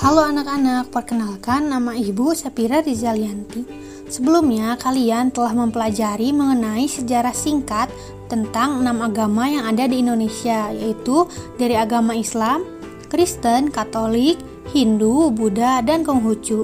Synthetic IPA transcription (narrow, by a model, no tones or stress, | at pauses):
kaloanakanak̚pərkənalkanːamaibusəpiɾardizaliant̪i | səbəlumɲakaliant̪əlahməmpəlad͡ʒaɾiməŋənaisəd͡ʒaɾahsiŋkat̪ː | ənt̪aŋnamaɡamajaŋadadiːndonesiajait̪udaɾiaɡamaislam | kɾist̪ənkat̪olik̚ | hindubudadankɔŋɦut͡ʃu